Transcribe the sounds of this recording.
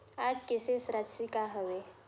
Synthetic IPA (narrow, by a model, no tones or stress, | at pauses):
ad͡ʑkesesɾad͡ʒsikaɦəʋe